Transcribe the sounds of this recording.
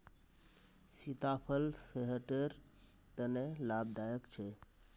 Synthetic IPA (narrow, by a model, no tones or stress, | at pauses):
sit̪apʰəlseɦəʈeɾ | t̪ənelab̚d̪ajəkt͡ʃʰe